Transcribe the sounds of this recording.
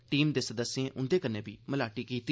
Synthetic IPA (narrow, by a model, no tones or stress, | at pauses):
ʈiːmd̪eːsəd̪əsːẽːʔʊnd̪eːkəneːbḭːməlaːʈiːkiːt̪i